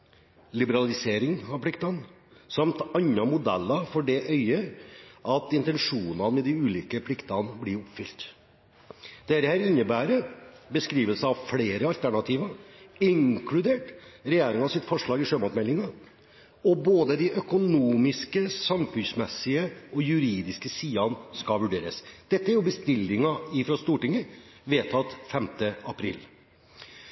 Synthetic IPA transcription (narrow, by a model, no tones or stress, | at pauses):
lɪbəɾɑlɪseːɾɪŋɑʋpʰlɪkt̪ɑn | sɑmt̪ɑɲːɑmʊd̪ɛlːɑfɔɖɛʔœʏəʔɑt̪ɪnt̪ɛnʂuːnɑmɛd̪ɪʉːliːkəpʰlɪkt̪ɑnblɪɾɔpfʏlt̪ | d̪ɛɾəhæɾɪnːəbæːɾəbəskɾiːʋəlsəɑʋfleːɾəɑlt̪ʰæɳɑt̪ʰiːʋɑɪŋkʰlʉd̪eːʈɾɛjeːɾɪŋɑsɪt̪fɔʂɭɑːɡɪʂøːmɔt̪mɛlːɪŋɑ | ɔboːd̪əd̪ɪʔœkʊnuːmɪskəsɑmfʉnsmɛsɪəɔjʉɾiːd̪ɪskəsiːɑnskɑʋʉɖḛːɾə̰sd̪̥ɛt̪ːəæɾjʊbəst̪ɪlːɪŋɑɪfɾɑst̪uːʈɪŋːəʋeːt̪ʰɑt̪fɛmt̪əɑpʰɾɪ̰lː